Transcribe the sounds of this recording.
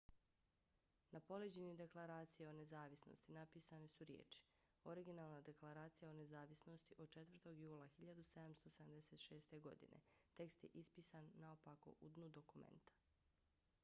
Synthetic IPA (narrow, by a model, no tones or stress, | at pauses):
napo̞led͡ʑenid̪e̞klˠaɾaːt̪sijeo̞ne̞zaːʋisno̰st̪inapiːsanesuɾjḛːt͡ʃi̥ | o̞ɾiɡinaːlˠnad̪e̞klˠaɾaːt̪sijao̞nezaːʋisno̞st̪iʔod̪̚t͡ʃet̪ʋr̩t̪o̞ɡjuːlˠaxiʎad̪used̪amst̪o̞seamd̪eset̪ʃe̞ːst̪e̞ɡo̞̰d̪ḭnḛt̪e̞kst̪jḛʔispiːsanːaopako̞̰ʔud̪nud̪o̞kumḛnt̪ḁ